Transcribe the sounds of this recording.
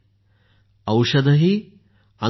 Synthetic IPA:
ɐwʂɐd̪ɐɦi | ɐ

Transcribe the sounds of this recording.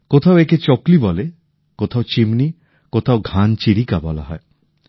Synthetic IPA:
kot̪ʰaoeket͡ɕɔklibɔle | kot̪ʰaot͡ɕimni | kot̪ʰaoɡʱant͡ɕiɾikabɔla̰ɦɔe

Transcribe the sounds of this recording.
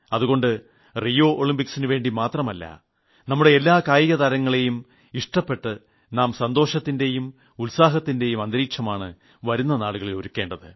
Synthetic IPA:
ɐðuɣo̞ɳɖɨ | rijo̞ːʔoɭimpiksinɨʋe̞ːɳɖimaːt̪rɐmɐlːɐ̰ | nɐmːuɽe̞ːlːaːkaːjiɣɐt̪aːɾɐŋːɐɭejum | iʂʈɐpːe̞ʈːɨ | naːmsɐnd̪o̞ːʂɐt̪ːinde̞jum | ulsaːɦɐt̪ːinde̞jumɐnd̪ɐɾiːkʂɐmaːɳɨ | ʋɐɾunːɐnaːɭuɣɐɭilo̞ɾukːe̞ːɳɖɐðɨ

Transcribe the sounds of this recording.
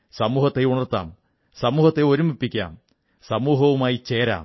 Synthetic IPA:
sɐmuːhɐt̪ːeuɳɐrt̪ːa̰ːm | sɐmuːhɐt̪ːeo̞ɾumipːikʲːa̰ːm | sɐmuːɦɐʋumaːjit͡ɕeːɾa̰ːm

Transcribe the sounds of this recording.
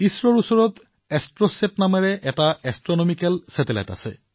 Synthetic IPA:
isɾoɾusoɾot̪ | ɛsʈɾoseʈnameɾeʔɛʈaɛsʈɾonomikelsɛtela̰jta̰t͡ɕʰḛ

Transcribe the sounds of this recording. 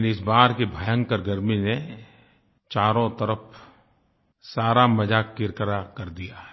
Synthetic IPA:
nɪsbaːɾkebʱajə̃ŋkəɾɡɐɾmine | t͡ʃaːɾõt̪ɐɾəf | saːɾamɐd͡ʒaːkːɪɾkəɾakɐɾd̪ijaɦɛ

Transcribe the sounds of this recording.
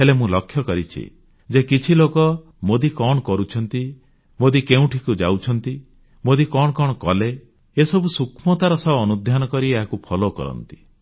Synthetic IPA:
ɦelemũlɔkʰːjɔkɔɾit͡ʃʰḭ | d͡ʒekit͡ʃʰilokɔ | mod̪ikɔɽ̃ɔkɔɾut͡ʃʰɔnt̪i | mod̪ikeũʈʰikud͡ʒawt͡ʃʰɔnt̪i | mod̪ikɔɽ̃ɔkɔɽ̃ɔkɔle | esɔbusukʰmɔt̪aɾɔsɔːnud̪ʱjanɔkɔɾieɦakupʰɔlokɔ̰ɾɔ̰nt̪i̥

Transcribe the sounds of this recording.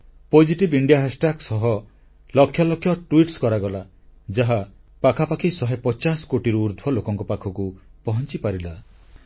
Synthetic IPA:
pod͡ʒiʈibiɳɖijaɦasʈaksɔɦɔ | lɔkʰːjɔlɔkʰːjɔʈuiʈskɔɾaɡɔla | d͡ʒaɦa | pakʰapakʰisɔɦepɔt͡ʃasɔ̥koʈiɾuːɾd̪ʱbɔlokɔŋkɔpakʰɔkupɔɦɔnt͡ʃipaɾila

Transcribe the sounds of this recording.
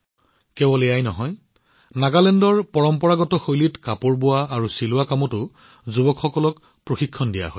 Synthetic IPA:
kɛbɔlɛjajnɔɦɔj | naɡalɛndɔɹpɔɹɔmpɔɹaɡɔtɔxojlitkapʊɹbʊwaːɹusilʊakamɔtʊ | zubɔkxɔkɔlɔk | pɹoxikʰːɔndija̰ɦɔ̰j

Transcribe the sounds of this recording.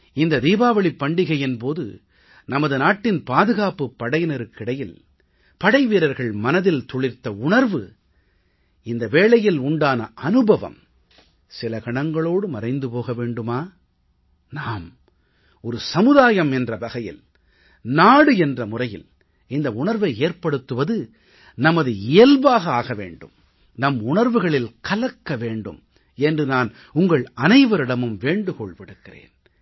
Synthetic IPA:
ɪnd̪ɐd̪iːbaːʋɐɭɪpːɐɳɖɪɣɐjɛnpoːðɯ̰ | nɐmɐðɯnaːʈːɪnpaːðɯɣaːpɯpːɐɽɐjnɐɾɯkːɪɽɐjɪl | pɐɽɐɪʋiːɾɐɾɣɐɭmɐnɐðɪlt̪ɔɭɪɾt̪ːɐʊɳɐɾʋɯ | ɪnd̪ɐʋeːɭɐjɪlʊɳɖaːnɐ̰ʔɐnɯbɐʋɐ̰m | sɪlɐkɐɳɐŋɡɐɭoːɽɯmɐrɐɪnd̪ɯpoːɣɐʋeːɳɖɯmaː | naːm | ɔɾɯsɐmɯðaːjɐmɛndrɐʋɐɣɐjɪ̰l | naːɽɯɛndrɐmʊrɐjɪ̰l | ɪnd̪ɐʊɳɐɾʋɐɪeːɾpɐɽɯt̪ːɯʋɐðɯ | nɐmɐðɯɪjɐlʋaːɣɐaːɣɐʋḛːɳɖɯ̰m | nɐmʊɳɐɾʋɯɣɐɭɪlkɐlɐkːɐʋeːɳɖɯ̰m | ɛndrɯnaːn | ʊŋɡɐɭɐnɐɪʋɐɾɪɽɐmɯmʋeːɳɖɯkɔɭʋɪɽɯkːɪrḛːn

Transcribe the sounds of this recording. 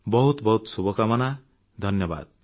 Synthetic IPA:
bʌɦut̪bʌɦut̪subʱʌkamʌna | d̪ʱʌnjʌba̰d̪̚

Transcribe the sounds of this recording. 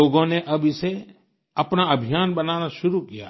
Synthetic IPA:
oːɡõneʔɐbʱɪse | ɐpnaɐbʱijaːnbɐnaːnaʃʊɾukija̰ː

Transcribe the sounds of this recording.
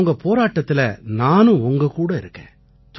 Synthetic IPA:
ŋɡɐpoːɾaːʈːɐt̪ːɪlɐnaːnʊ̃ɔŋɡɐkuːɽɐɪɾɯkːḛ̃ː | t̪

